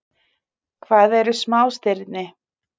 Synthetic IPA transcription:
kʰvaːðɛɾʏsmaːwst̪ɪɾt̪nɪ

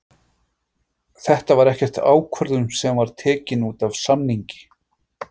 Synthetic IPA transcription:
θɛht̪avaɾɛhcɛr̥t̪a̰ːwkʰvœɾðʏmsɛmvaɾ̥t̪ʰɛːcɪnuːt̪avsamniɲcɪ̥

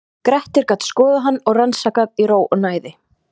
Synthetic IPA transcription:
kɾɛht̪ɪɾkaːt̪skɔːðʏɦanːɔɣransaːkaðiɾoːwʔɔnaːjðɪ

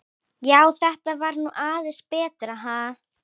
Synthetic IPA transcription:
jaːwθɛht̪avaɾnuʔaːðespɛːt̪ɾaɦa

